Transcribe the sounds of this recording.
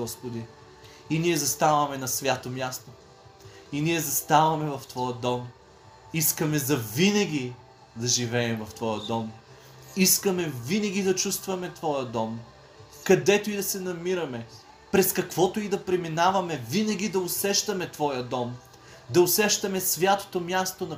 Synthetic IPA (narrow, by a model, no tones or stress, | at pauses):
ɔspod̪i | iniɛzɐst̪avɐmɛnɐsvʲjat̪omʲjast̪o | iniɛzɐst̪avɐmɛvɐft̪vɔjəd̪ɔm | iskəmɛzɐvinɐɡ̟ʲi | d̪ɐʒivɛɛmvɐft̪vɔjəd̪ɔm | iskəmɛvinɐɡ̟ʲid̪ɐt͡ʃust̪vɐmɛt̪vɔjəd̪ɔm | kɐd̪ɛt̪oid̪ɐsɛnɐmiɾɐmɛ | pɾɛskɐkv̥ɔt̪oid̪ɐpɾɛminavɐmɛvinɐɡʲid̪ɐʊsɛʃt̪ɐmɛt̪vɔjəd̪ɔm | d̪ɐʊsɛʃt̪ɐmɛsvʲjat̪o̥t̪omjast̪onɐ